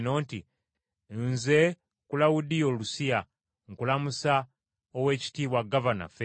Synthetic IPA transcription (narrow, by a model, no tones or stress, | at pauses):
no̞ːnti | nze̞ | kulawudio̞ːlusija | ŋkulamusa | owe̞ːci̥tiːβwaɡavana̰fe